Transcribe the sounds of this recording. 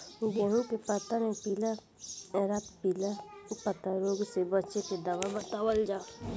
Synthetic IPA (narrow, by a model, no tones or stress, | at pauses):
d̪eɦũkepət̪anepila | ɛɾat̪pilapət̪aɾoːɡsebəːʃeked̪aʋabət̪aːwəld͡ʒaː